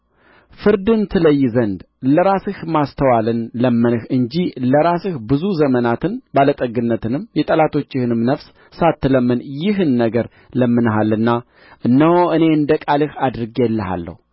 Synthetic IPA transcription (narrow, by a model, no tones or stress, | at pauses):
fɨɾd̪ɨnt̪ʰɨləjːzənd̪ | ləɾasɨhmast̪ʰəwalɨnləmːɨnɨhɨɲd͡ʒiləɾasɨhbɨzuzəmənat̪ʰɨnbalət̪ʼəɡɨnːət̪ɨnɨmjɛt̪ʼəlat̪ʰo̞t͡ʃːɪhɨnɨmnəfs | sat̪ːɨləmːənjɪɦɨnːəɡəɾ | ləmːɨnɦalːɨnːa | ʔɨnːəhoɨne̞ɨnd̪əkʼalɨhad̪ɾɨɡjɛlːəɦa̰lːə̰hu